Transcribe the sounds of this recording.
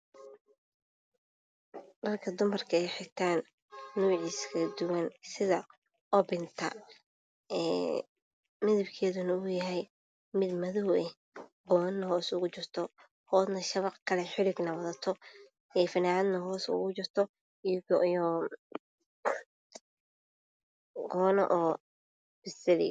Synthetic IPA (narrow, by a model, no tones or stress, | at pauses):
dɐrkʰɐd̪ʊmɐrkʰɐɛjħɪt̪ʰaːnː | uːʕiːskʰɐd̪ʊwɐnsɪðɐ | ʔɔbɪnt̪ʰɐ̰ | ɛː | mɪðɪbkʰɛːðʊnɐʊjɐɦɛj | mɪd̪mɐðʊwɛ | qɔːnːɐɦɔːsʊɣʊt͡ʃɪrt̪ʰɔ | hɔːd̪nɐʃɐβɑqkʰɐlɛħɪlɪɡnɐwɐðɐt̪ʰɔ | ɛfɪnaːd̪nɐhɔːsʊ̰ɣʊt͡ʃɪrt̪ʰɔ | jɔ | ɡɔːnɐ̰ʔɔː | b̥ɪsɪlɪ̰